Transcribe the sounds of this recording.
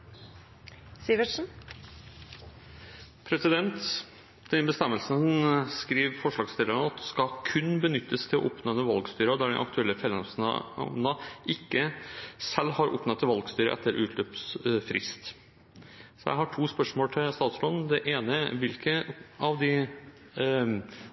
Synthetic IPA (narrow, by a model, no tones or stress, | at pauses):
siʋəʂn̩ | pʰɾɛsɪd̪ɛnt̪ | d̪̥ɛbəst̪ɛmːəlsənskɾiːʋfɔʂɭɑːɡst̪ɪlənɑt̪skɑkʰʉnbənʏt̪ːəst̪ʰɪlɔ̰ʔɔpnonəʋɑlɡst̪yːɾəɔd̪æɖɛ̰nʔɑ̰kt̪ʉɛlːəfɛlːəsnɑʔɪkːəsɛlːhɑɾɔ̰pːnɑt̪ːɪlʋɑlɡst̪yːɾə̰ʔɛ̰t̪ːəɾʔʉːt̪ʰløpsfɾɪ̰st̪ | sɔjæ̰ɪhɑʈʰuːspœʂmoːlʈ̪ʰɪlst̪ɑːt̪sɾoːd̪n̩d̪ɛʔeːnəʋɪlkʰəɑʋd̪ɪ